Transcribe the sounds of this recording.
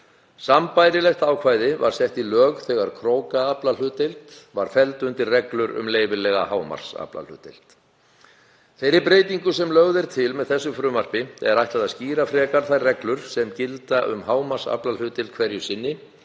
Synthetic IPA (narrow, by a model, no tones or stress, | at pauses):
sampajɾɪlɛxt̪aːwkʰvaːjðɪva̰ɾ̥sjɛht̪ilœːɣθɛːɣaɾ̥kʰɾoːwkaaplal̥ʏːt̪ɪlt̪vaɾ̥fɛlt̪ʏnt̪ɪrrɛklʏɾʏ̰mleːjvɪlɛɣahaːwma̰ɾ̥sa̰pla̰l̥ʏ̰ːt̪ɪ̰l̥t̪ | θejɾɪpɾeːjt̪iŋkʏsɛmlœɣðɛɾ̥t̪ʰɪlmɛðθɛsːʏfɾʏːmar̥pɪɛ̰ɾajht̪aðaðsciːɾafɾɛːkaɾ̥θajrɛklʏɾ̥sɛmcɪlt̪aʔʏ̰mhaːwmaɾ̥sa̰plalʏːt̪ɪlt̪kʰvɛɾjʏsɪnːɪ